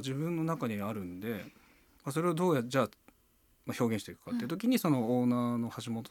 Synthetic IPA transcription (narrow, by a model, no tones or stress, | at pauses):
d͡ʑiβɯ̟̃nːo̞nakaɲ̟iaɾɯ̟̃nd̪e̞ | mas̬o̞ɾe̞ad̪o̞ːjad͡ʑaː | maço̞ːɡʲẽ̞ɕit̪eikɯ̟̥kat̪ːeɯ̟t̪okʲiɲ̟iso̞no̞oːnaːno̞haʑimot̪o